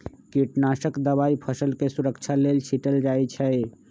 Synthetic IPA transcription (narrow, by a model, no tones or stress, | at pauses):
kiʈnasəkd̪əbaipʰəsəlkesuɾəkt͡ʃʰalelt͡ʃʰiʈəld͡ʒajt͡ʃʰɛ